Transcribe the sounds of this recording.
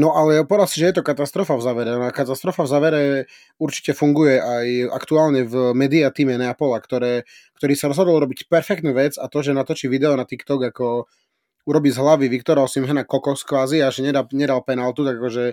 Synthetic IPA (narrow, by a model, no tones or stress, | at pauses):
nɔʔalɛpɔʋɛd̪asiʒɛjɛt̪ɔkat̪ast̪ɾɔfavzaːʋɛɾɛnakat̪ast̪ɾɔfavzaːʋɛɾɛ | uɾt͡ʃi̥cɛfuŋɡujɛʔaja̰kt̪uaːlɲɛvmɛːd̪iat̪iːmɛnɛapɔlakt̪ɔɾɛː | kt̪ɔɾiːsaɾɔzɦɔd̪ɔl̩ˠuɾɔbicpɛɾfɛkt̪nuːʋɛd͡zat̪ɔʒɛnat̪ɔt͡ʃiʋid̪ɛɔnat̪ikt̪ɔɡakɔ | uɾɔbiːzɦlaʋiʋikt̪ɔɾaɔsimɦɛnakɔkɔskʋaːziaʒɛɲɛd̪aɲɛd̪alpɛnalt̪ut̪aɡakɔʒɛ